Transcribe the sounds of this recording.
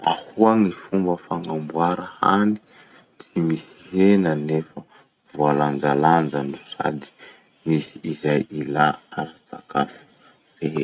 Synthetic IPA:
a̰huaŋifumbəfaŋambwaɾəha̰ni̥ | t͡simisihenənefə | valand͡ʒaland͡zənusa̰d̪i̥ | misiːzajilaaɾasa̰kafu̥ | reɦe

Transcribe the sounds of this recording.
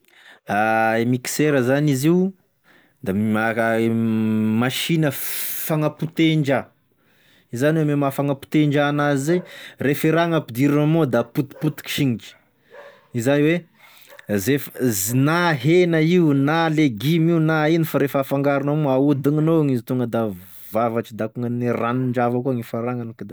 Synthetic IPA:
aemiki̥seɾəzaniziw | d̪aa | maʃinəfaŋaput̪eɳd͡ʒa | izaniwememafaŋapu̥t̪eɳd͡ʒanazizerefiɾaŋapid̪iɾanamod̪aput̪i̥put̪i̥ki̥ʃiŋit͡ʃi̥ | izajwe | zefəzinaɦenəiunaleɡimiunainifaɾefafaŋɡaɾunamuaud̪iŋinowaŋizit̪uŋɡəd̪a | vavaʈ͡ʂid̪akuŋəniraniɳɖ͡ʐavakuaŋifaɾaŋanikd̪

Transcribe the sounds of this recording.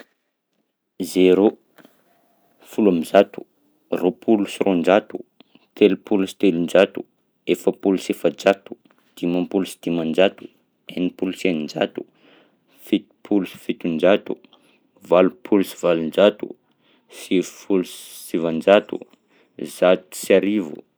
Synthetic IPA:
zeɾo | fulamizat̪u̥ | ropʰulusirond͡ʒat̪u | t̪elupulusi̥t̪elund͡ʒat̪u̥ | efəpulusefəd͡ʒat̪u̥ | d̪̥imampulusid̪̥imand͡ʒat̪u̥ | enipulusenind͡ʒa̰t̪u̥ | fit̪pʰulusi̥fit̪und͡ʒat̪u | valupʰulusi̥v̥alund͡ʒat̪ṵ | sifulussivand͡ʒat̪ṵ | zat̪u̥saɾivṵ

